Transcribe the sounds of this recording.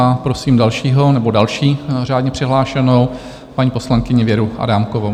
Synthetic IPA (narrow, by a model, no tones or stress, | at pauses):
apɾosiːmdalʃiːɦo̞nɛbo̞dalʃiːraːdɲɛpr̝̥ɪɦlaːʃɛno̞w | paɲiːposlaŋkɪɲɛvjɛɾuʔa̰damkovo